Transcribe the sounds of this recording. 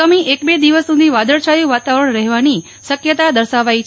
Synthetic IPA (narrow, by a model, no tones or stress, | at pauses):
amiʔekbed̪iʋəssud̪ʱiʋad̪əɾʃajũʋat̪aʋəɾəɳɾəɦʋani | ʃəkjət̪ad̪əɾʃaʋait͡ʃʰ